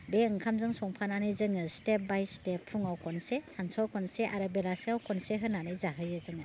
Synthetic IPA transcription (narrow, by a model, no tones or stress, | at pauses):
beɯŋkʰamzɯŋsɔŋpʰananɯjzɯŋɯstep̚bajstepʰːuŋawkʰɔnsesansɔwkʰɔnseʔaɾɯbelaseawkʰɔnseɦɯnanɯjzaɦɯjɯzɯŋɯ